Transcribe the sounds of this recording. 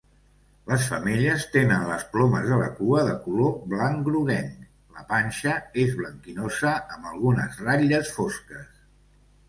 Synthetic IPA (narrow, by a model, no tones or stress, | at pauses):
ləsfəmeʎəst̪enənləsplɔməzðələ̰kuəðəkuloblaŋɡɾuɣɛn | ləpanʲʃəezβləŋkinozəːmbəlˠɣunə̰zraʎəsfoskəs